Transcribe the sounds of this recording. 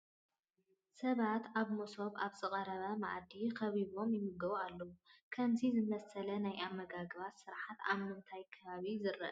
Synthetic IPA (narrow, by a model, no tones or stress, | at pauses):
sɐβat̪aβmoso̞βaβzɨqʼɐɾɐβɐma̰ʔd̪ikɐβiβo̞mjɪmɨɡɐβualːɐwukʰɐmzizɨmɐsɐlɐnajamːɐɡaɡɨβat̪sɨɾaħat̪a̰βmɨnt̪ʰajkʰɐβaβizɨɾɐ̰ʔ